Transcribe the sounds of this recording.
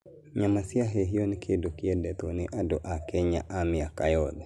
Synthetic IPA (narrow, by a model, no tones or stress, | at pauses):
ɲamasiaɦeɦijonikʰedokiɛdɛt̪oniʔadoʔakɛɲaʔamiakajɔd̪